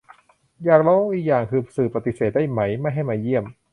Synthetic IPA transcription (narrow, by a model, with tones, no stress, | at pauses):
jaː˨˩k̚lɔː˧˥wʔiː˧k̚jaː˨˩ŋkʰɯː˧psɯː˨˩pːa˧t̪i˧˩seː˨˩daː˥˩jma˩˦˥jma˥˩jɦa˥˩jmaː˧ji˥˩əm